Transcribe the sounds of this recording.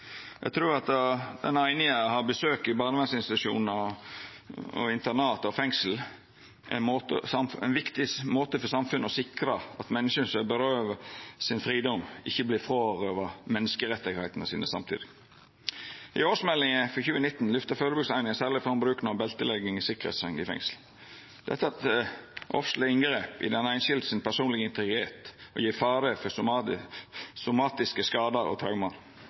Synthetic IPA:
jʔæ̰ɡt̪ʰɾuːɾɑt̪d̪ɛ̰næɪnɪŋəhɑbəsøːkɪbɑːnəʋɛnsɪnst̪ɪt̪ʉʂṵːnə | ɔ̰ɪnt̪ənɑːt̪ɔfɛŋsl̩ | ʔoːt̪əɑmɛ̰nʋɪkt̪ɪmoːt̪əfɔsɑmfʉnːəɔsɪkɾəɑt̪mɛnːəʂənsɛbəɾøːʋəsɪnfɾiːd̪ɔmːʔɪçːəblɪːfɾoːɾøːʋəmɛnːəskəɾɛt̪ːɪɡhæɪt̪nəsḭːnəsɑ̰mt̪ʰɪ̰d̪ɪ | ɪ̰oːsmɛlːɪŋəfɔçʉːənɪt̪ːn̩lʏft̪əføɾəbʉɡsæɪnɪŋəsæːʁlɪfɑmbɾʉːkənɑbɛlt̪əlɛɡɪŋɪsɪkʁḛːt̪sɑnɪfɛ̰ŋsl | d̪̥ɛ̰t̪ːəɑt̪ʔɔ̰fsl̩əɪŋɡɾeːpɪ̰d̪ɛnæɪnʃɪld̪sɪnpʰæsuːnlɪɡəɪnt̪ɪɡɾɪt̪eːt̪ɔ̰jiːfɑːɾəfɔ | sʊmɑːt̪ɪskəskɑːd̪əɾɔ̰t̪ʰɾɑʊmɑɾ

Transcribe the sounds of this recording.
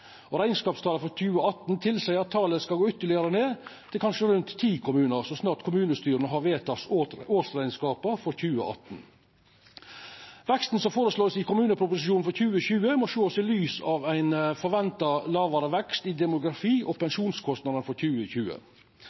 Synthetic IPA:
ɔɾæɪnskɑːpst̪ʰɑːləfɔɾçʉːəoɑt̪n̩t̪ʰɪlsæɪəɾɑt̪ʰːɑːləskɑlɡoːʏt̪ːəɭɪəɾəneːt̪ʰɪlkʰɑnʂəɾʉnt̪ʰːiːkʰʊmʉːnəɾsɔsnɑːʈkʰʊmʉːnəst̪yːɾənəɦɑɾʋeːt̪ʰɑsoːsɾæɪnskɑːpəfɔɾçʉːə̰ʔɑ̰t̪n̩ | ʋɛkst̪n̩sɔmfoːɾəsloːsɪkʊmʉːnəpʰɾʊpʊsɪʃuːn̩fɔɾçʉːəçʉːəmɔʃoːsɪlyːsɑʋæɪnfɔɾʋɛnt̪ɑlɑːʋɑɾəʋɛkst̪ɪd̪ɛmʊɡɾɑfiːʔɔpɛnʂuːnskʰɔst̪nɑd̪ənəfɔɾçʉːəçʉːə̰

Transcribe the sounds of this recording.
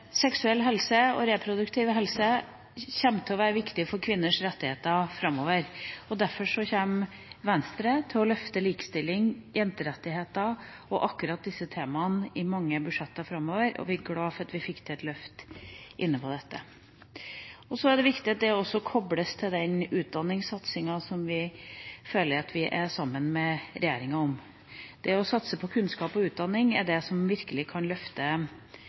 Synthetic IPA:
sɛksʉɛlːɦɛlsəɔ̰ɾɛpʰɾʊd̪ʉkt̪ʰɪʋɦɛlsə | çɛmt̪ʰɛɔʋæːɾəʋɪkt̪ɪfɔɾkʰʋɪnːəʂɾɛt̪ːɪheːt̪ɑfɾɑmːoːʋəɾɔd̪æɾfɔʂɔçemʋɛnst̪ɾət̪ʰɪlɔlœft̪əliːkə̥st̪ɪlːɪŋjɛnt̪əɾɛt̪ːɪheːt̪ɑ | ɔʔɑkːʉɾɑt̪̚d̪ɪsːət̪ʰeːmɑnɪmɑŋːəbʉʂɛt̪ːɑfɾɑmːoːʋəɾʔɔ̰ʋɪɡɽɑːfɑt̪ʋɪfɪkːt̪ʰɛɛt̪lœft̪ʔɪnːəpʰɔd̪ɛt̪ːə | ɔsɔæɖ̪ɛʋɪkt̪ɪɑt̪̚d̪ɛɔsːɔkʰɔbɽəst̪ʰɪld̪ɛnʉːt̪̚d̪ɑnːɪŋsɑt̪sɪŋɑsɔmʋɪføːləɾɑt̪ʰʋɪʔæsɑmːənmɛɾɛjeːɾɪŋɑɔm | d̪̥ɛɔsɑt̪səpʰɔkʰʉnskɑːpɔʉːt̪̚d̪ɑnːɪŋæɖɛsɔmʋɪɾkəlɪkʰɑnlœft̪ə

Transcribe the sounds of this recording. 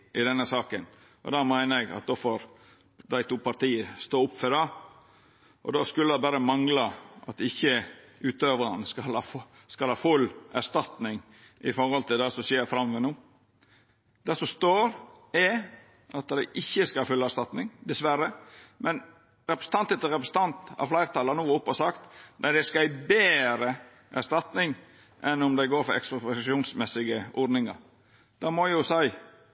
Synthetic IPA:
ɪd̪ɛnːəsɑːkən | ʔɔ̰d̪ɑːmæɪnəɾɛɡɑ̰t̪̚d̪oːfoɾ | d̪æɪt̪uːpɑɾt̪iːəst̪oːʊpfœɖɑ | ʔɔ̰d̪oːskʉlːəd̪ɛbæɾəmɑŋlɑʔɑ̰t̪ɪçːə | ʉːt̪øːʋɾɑnəskɑlɑf | skɑlhɑːfʉlːæst̪ɑt̪nɪŋ | ʔɪfɔɾhɔlt̪ʰɪld̪æsɔseːɾfɾɑmʋɛnuː | d̪̥æsɔst̪oːɾ | ɛ | ʔɑt̪d̪æɪʔɪçːəskɑɑfʉlːəæʂst̪ɑt̪nɪŋd̪ɛsʋæɾəmɛn | ɾɛpɾəsə̥n̩t̪ɑnt̪ɛt̪əɾɛpɾəsən̩t̪ʰɑnt̪ɑ̰ʋflæɪɾt̪ʰɑːlɑnuːʊpːɔsɑkt̪næɪd̪ɛskɑæɪbeːɾə | ʔæst̪ɑt̪nɪŋ | ʔɛnʊmd̪æɪɡoːɾfɔɾɛ̰kspɑɛsʃuːnsmɛsɪɡəɔd̪nɪŋɑ̰ɾ | d̪̥ɑːmɔjʊsæɪ

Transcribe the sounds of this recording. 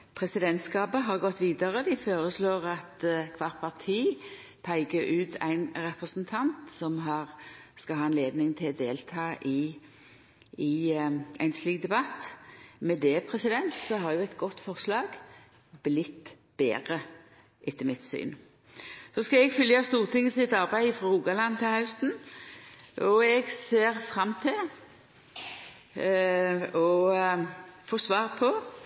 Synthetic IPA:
pʰʁɛsɪd̪ɛnt̪skɑːbəɦɑʁɡɔt̪ːʋiːd̪ɑʁəd̪ɪfoːʁəsloːʁɑt̪kʰʋɑːʁt̪̚pʰɑʁt̪ʰiː | pʰæɪɡəɾʉːt̪ʰæ̰ɪnɾɛpʁɛsnt̪ʰɑnt̪sɔmɦɑːʁskɑɦɑːɑnleːd̪nɪŋt̪ʰɪld̪eːlt̪ʰɑːʔɪ | ɪʔæ̰ɪnsliːk̚d̪ɛbɑt̪ːmɛd̪ɛpʰʁɛsɪd̪ɛnt̪sɔɦɑʁjʊɛɪt̪ɡɔt̪ːfɔʁslɑːɡ | blɪt̪ː | b̥ḛːʁə | ʔɪt̪ːəmɪt̪sy̰ːn | sɔskɑɛɡfʏljɑst̪uːʁt̪ʰɪŋːəsɪt̪ɑʁbæɪfʁɔuːɡɑlɑnːt̪ʰɪlhɑʉst̪n̩ | ʔɔɛɡseːʁfʁɑmːt̪ʰɪl | ɔ | foːsʋɑːʁpʰɔ

